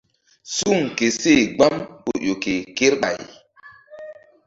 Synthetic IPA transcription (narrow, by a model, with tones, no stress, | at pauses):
su˦˨ŋke˨se˦˨ɡ͡ba˦mɓo˨jo˨ke˨ke˦ɾɓa̰˨j